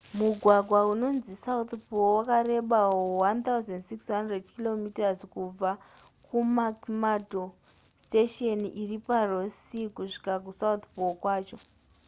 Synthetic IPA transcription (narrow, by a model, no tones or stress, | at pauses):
muɡʱwaɡʱwauno̞nzisaut̪puwakaɾe̞ɓaowant̪auzendsiksɦandredkilo̞mitazkub͡vakumakmato | steʃonʔiriparo̞sikuʂi̥kak̬usaut̪pukwaːt͡ʃo